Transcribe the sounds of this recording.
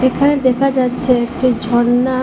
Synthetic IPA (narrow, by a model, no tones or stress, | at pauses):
ekʰaned̪ɛkʰad͡ʑatːɕʰeek̚ʈid͡ʑʱɔɽːa